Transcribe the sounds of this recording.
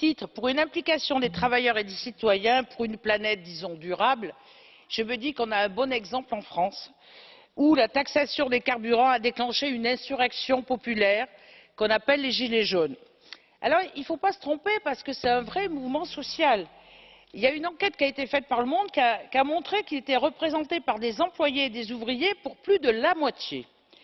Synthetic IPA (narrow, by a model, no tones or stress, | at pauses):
t̪it̪χəpuʁynɛ̃plikasjɔ̃d̪et̪χavajœʁed̪esit̪wajɛ̃puʁynplanɛt̪̚d̪izɔ̃d̪yʁabl | ʒ̥əməd̪iʁkɔ̃naɛ̃bɔnɛɡzɑ̃plɑ̃fχɑ̃s | ulat̪aksasjɔ̃d̪ekaʁbyʁɑ̃ad̪eklɑ̃ʃeynɛ̃syʁɛksjɔ̃pɔpylɛʁ | kɔ̃napɛlːeʒileʒon | a̰lɔʁilfopasə̥t̪χɔ̃pepaʁsə̥kəsɛt̪ɛ̃vʁɛmuvmɑ̃sɔsjal | iljaynɑ̃kʲɛt̪̚kʲiaet̪efɛt̪̚paʁləmɔ̃d̪̚kʲakamɔ̃t̪χekilet̪ɛʁəpχezɑ̃t̪epaʁd̪ezɑ̃plwajeːd̪ezuvʁijepuʁplyd̪əlamwat̪jḛ